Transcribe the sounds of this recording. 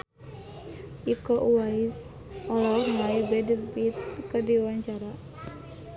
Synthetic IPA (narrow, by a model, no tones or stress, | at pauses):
ʔikɔʔuwais | ɔlɔmaibɛdipit̪̚kədiwaɲt͡ʃaɾa